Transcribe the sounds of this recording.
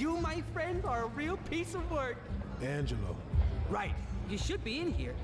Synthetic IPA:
jɨmaɪfɹɛ̃ndə˞əɹilˠpʰisʌvwɜ˞d̥æ̃nd͡ʒɨlo̰ | ɹaɪt̚jɨʃɨd̚biɪ̃nɦḭɹ

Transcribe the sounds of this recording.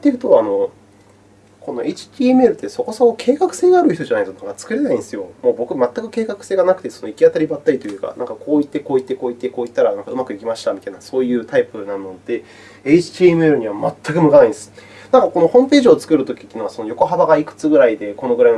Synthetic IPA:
t̪ːekɯ̟̥t̪oano̞ | ko̞no̞ʔe̞it͡ɕi̥t̪ʲiːemɯ̟eɾɯ̟t̪ːeso̞ko̞sokokʰe̞ːkakɯ̟̥se̞ːɡaːɾɯ̟çit̪o̞ʑanainsonaŋkat͡sɨ̥kɯ̟ɾe̞naĩnd̪esɨjo̞moːbo̞kɯ̟mat̪ːakɯ̟ke̞ːkakɯ̟̥se̞ːɡanak̟t̪e̞so̞noikʲiat̪aɾʲibat̪ːaɾit̪ojɯ̟ːka̰nʔã̰ŋkakʰo̞ːit̪ːe̞ko̞ːit̪ːe̞ko̞ːit̪ːe̞ko̞ːit̪ːaɾanãŋkaɯ̟makɯ̟ikʲimaɕi̥t̪amʲit̪ainasoːjɯ̟ːt̪aipɯ̟nãnːo̞d̪̥e̞ | e̞it͡ɕi̥t̪ʲiːemeɾɯ̟ɲ̟iβamat̪ːakɯ̟mɯ̟kanaĩd̪sɨ̥ | nãŋkako̞no̞hõ̞mpe̞ːʑiot͡sɨ̥kɯ̟ɾɯ̟t̪o̞kʲi̥t̪ːeiːnoaso̞no̞jo̞ko̞ɦabaɡaikɯ̟̥t͡sɨɡɯ̟ɾaid̪e̞ko̞no̞ɡɯ̟ɾain

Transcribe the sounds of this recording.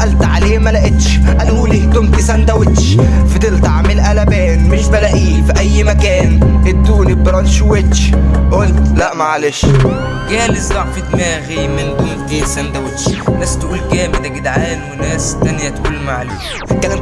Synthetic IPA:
ʔælt̪ʕaleːmælæʔɪt̪ʃ | ʔælhuːliht̪ʊmt̪isænd̪æwɪt̪ʃ | fid̪ɪlt̪ɑʕmɪlʔælæbæːnmɪʃbælæʔiːfiʔæjːmækæːnɪd̪ːuːnibɑɾˤɑnʃwet̪ʃʔolt̪læʔmaʕaleʃ | ɡæːlɪzːɑʕfit̪mæːɣimɪnt̪ʊmt̪isænd̪æwɪt̪ʃlæsːt̪ʔuːlkæːmɪd̪æɡɪd̪ʕaːnwɪnæːst̪ːænjæt̪ʔuːlmaʕaleː | kælæm

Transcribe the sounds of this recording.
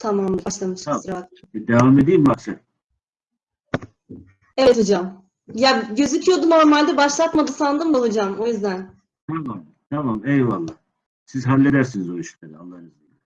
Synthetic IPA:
t̪ʰamamlˠaaʃlˠamɯʃsɾaɦat̪̚ | d̪evamed̪ijimbaksan | ɛvɛt̪ʰod͡ʒam | jaɟø̞zycʰijo̞d̪uno̞ɾmalʲd̪ɛbaʃlˠat̪mad̪ɯsand̪ɯmd̪aud͡ʒamo̞jyzd̪æn | t̪ʰamam | t̪ʰamamejvalˠːa | sizɦalʲːed̪æɾsinizoiʃlˠaɾɯalˠːahzi

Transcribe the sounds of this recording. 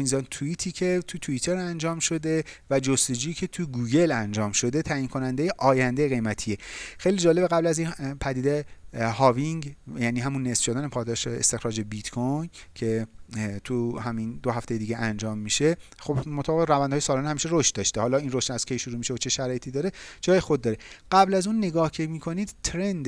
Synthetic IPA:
inzɒnt̪ʰuit̪ʰiːcʰe̞t̪ʰut̪ʰuit̪ʰe̞ɾænd͡ʒɒːmʃo̞d̪e̞væd͡ʒost̪o̞d͡ʒuːjiːcʲʰe̞t̪ʰuɡuːɡe̞lænd͡ʒɒːmʃo̞d̪e̞t̪ʰæːjinkʰo̞nænd̪eje̞ʔɒːjænd̪ejeɣe̞jmæt̪ʰie̞xe̞jliːd͡ʒɒːle̞beɣæblæzinpʰæd̪iːd̪ejhɒːviŋɡjæniːɦæmunːesfʃod̪æːnepʰɒːd̪ɒːʃeḛst̪e̞xɾɒːd͡ʒe̞bit̪kʰojcʰe̞t̪ʰuhæmind̪oɦæft̪e̞je̞d̪iːɡeʔænd͡ʒɒːmːiʃe̞ | xobmot̪ʰæbeɣeɾævænd̪ɒːjesɒːlɒːnehæmiːʃe̞ɾoʃt̪̚d̪ɒʃt̪ehɒːlɒinroʃt̪æz̥kʰe̞jʃuɾumiːʃevot͡ʃʰe̞ʃæɾɒːjet̪ʰiːd̪ɒːɾed͡ʒɒːjexod̪̚ːɒːɾeɢ̥æblæzuːnːe̞ɡɒːhcʰemiːkʰo̞niːd̪̥t̪ʰɾend̪

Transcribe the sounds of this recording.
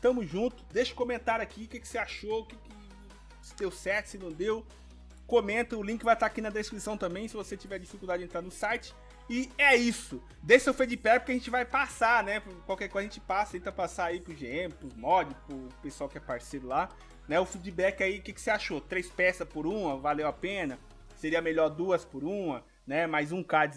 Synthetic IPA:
ʃt̪ɐ̃mʊzʒũt̪ʊ̥d̪eʃɐ̥kõmẽnt̪aɾʊakʰiʊkɪkɪ̥seaʃoʊkɪkɪ | sɪd̪ewsɛt͡ʃɪ̥sɪnɐ̃w̃d̪ew | komẽnt̪ɐʊlĩkɪvajt̪aakinɐd̪eskɾisɐ̃w̃t̪ɐ̃mbẽj̃sɪvoset͡ʃivɛɾd͡ʒifikuwd̪ad͡ʒɪẽnt̪ɾaɾnʊsajt͡ʃɪ̥ | ɪɛisʊ | d̪eʃɐʊfid͡ʒibɛkpʊ̥kɪaʒẽnt͡ʃɪvajpasanɛpkwawkɛɾkojzɐʒẽnt͡ʃɪ̥pasɐt̪ẽnt̪ɐpasaaipɾʊʒeẽmɪpɾʊmɔd͡ʒɪpʊpesuawkɪɛpaɾseɾʊla | nɛʊfid͡ʒibɛkɪaiʊkɪkɪ̥seaʃot̪ɾejspɛsɐpʊɾũmɐvalewapẽnɐ | seɾiɐmeʎɔɾd̪uɐspʊɾũmɐ | nɛmajzũkad͡ʒɪ

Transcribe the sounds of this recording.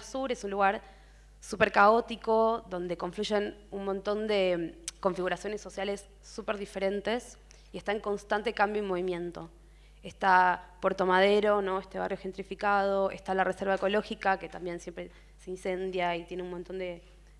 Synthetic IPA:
suɾe̞sunluɣaɾ | supe̞ɾkao̞t̪iko̞ðo̞nd̪e̞ko̞ɱfluʒe̞nunmont̪o̞nd̪e̞ko̞ɱfiɣuɾasjo̞ne̞sːo̞sjale̞sː | upe̞ɾðife̞ɾe̞nt̪e̞s | ie̞st̪aeŋko̞nst̪ant̪e̞kambjoimo̞βimjẽ̞nt̪o̞ | est̪apwo̞ɾt̪o̞mað̞e̞ɾo̞nõ̞est̪e̞βarjo̞xe̞nt̪ɾifikað̞o̞ʔḛst̪alarʔese̞ɾβaeko̞lo̞xikake̞t̪ambje̞nsjempɾe | seinse̞nd̪jait̪je̞neunmont̪o̞nd̪e̞

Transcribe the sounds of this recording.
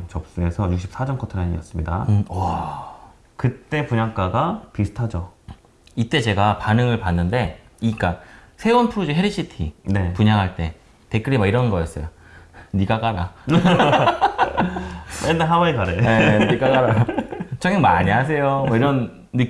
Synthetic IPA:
t͡ɕʌp̚s͈ue̞sʰʌjuk̚ɕ͈ʰi̥p̚sʰad͡ʑʌnkʰʌtʰɯɾaɲḭjʌ̰s͈ɯmɲida̰ʌ | kɯt͈e̞puɲaŋk͈aɡapisʰɯ̥tʰad͡ʑo | it͈e̞t͡ɕe̞ɡapanɯŋɯɭpanːɯnde̞ik͈a | sʰe̞onpʰɯɾud͡ʑiɦe̞ɾiɕʰitʰinepuɲaŋɦaɭt͈e̞ | te̞k͈ɯɾimaiɾʌnɡʌjʌs͈ʌjo | niɡakaɾa | endaɦawaikaɾeeniɡaɡaɾat͡ɕʰʌŋʌŋmaɲiɦas̬ʰe̞jomʌiɾʌnː | ɯk

